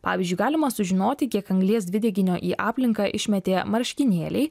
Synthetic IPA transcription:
pɑ̰ːʋʲɪzʲd͡ʒʲʊɪɡɑːlʲɪmɐsʊʒʲɪnoːt̪ʲɪkʲiɛkɐŋɡlʲiɛsd̪ʲʋʲɪd̪ʲɛɡʲɪnʲoːʔiːʔɑːpʲlʲɪŋkɑːʔɪʃʲmʲɛt̪ʲeːmɐɾʲʃʲkʲɪnʲeːlʲɛ̰ɪ

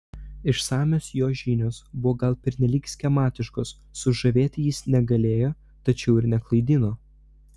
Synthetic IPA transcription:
ɪʃsɑːmʲoːsjoːʒʲiːnʲoːsbʊʋoːɡɐlˠpʲɛɾʲnʲɛlʲiːksʲkʲɛmɑːt̪ʲɪʃkoːsːʊʒɐʋʲeːt̪ʲɪjɪsnʲɛɡɐlʲeːjoː | t̪ɐt͡ʃʲɛʊɪɾnʲɛklˠɐɪd̪ʲɪnoː

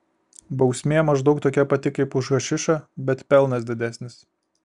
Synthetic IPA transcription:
bɒʊsʲmʲeːmɐʒd̪ɒʊk̚t̪oːkʲɛpɐt̪ʲɪkɐɪpʊʒɣɐʃʲɪʃɐbʲɛt̪pʲɛlˠnɐs̬d̪ʲɪd̪ʲæsʲnʲɪs

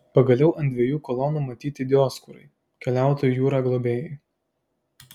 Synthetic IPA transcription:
pɐɡɐlʲɛʊʔɐnʲd̪ʲʋʲeɛjuːkɔlˠɔnuːmɐt̪ʲiːt̪ʲɪd̪ʲɪɔːskuɾɐ̰ɪ | kʲɛlʲæˑʊt̪oːjujuːɾɑːɡlˠobʲeːjɛɪ

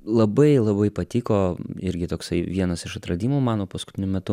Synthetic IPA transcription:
lˠɐbɐɪlˠɐbɐɪpɐt̪ʲiːkoːɪɾʲɡʲɪt̪oːksɐɪʋʲiɛnɐsɪʃɐt̪ɾɐd̪ʲiːmoːmɑːnoːpɐskʊ̥t̪ʲɪnʲʊmʲɛt̪ʊ

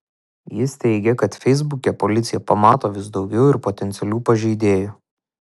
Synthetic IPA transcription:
jɪst̪ʲɛɪɡʲɛkɐt̪fʲɛɪzbʊkʲɛpɔlʲɪt̪sʲɪjɛpɐmɑːt̪oːʋʲɪsd̪ɒʊɡʲɛʊɪɾpot̪ʲɛnʲt̪sʲɛlʲuːpɐʒʲɛɪd̪ʲeːjʊ

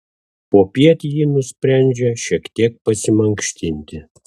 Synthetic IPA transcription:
poːpʲiɛt̪ʲjinʊsʲpʲɾʲænʲd͡ʒʲɛʃʲiɛkt̪ʲiɛk̚pɐsʲɪmɐŋkʃʲt̪ʲɪnʲt̪ʲɪ

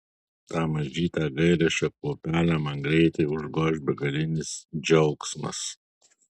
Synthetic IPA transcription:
t̪ɑːmɐʒʲiːt̪ɑːɡɐɪɾʲɛʃʲɛkuːpʲæːlʲæmɐŋɡɾʲɛɪt̪ʲeʊʒɡoːʃʲbʲɛɡɐlʲɪnʲɪsd͡ʒʲɛʊksmɐ̰s

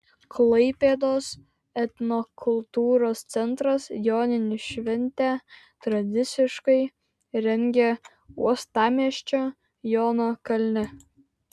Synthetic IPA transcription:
kʰlˠɐɪpʲeːd̪oːs | ɛt̪ʲnokʰʊlˠt̪uːɾoːst̪sʲɛnt̪ɾɐsjoːnʲɪnʲɪʃʲʋʲɛnʲt̪ʲæ | t̪ɾɐd̪ʲɪt̪sʲɪʃkɐɪ | ɾʲɛŋʲɡʲɛ | ṵɔst̪ɑːmʲiɛʃʲt͡ʃʲo | joːnoːkɐlʲnʲɪ

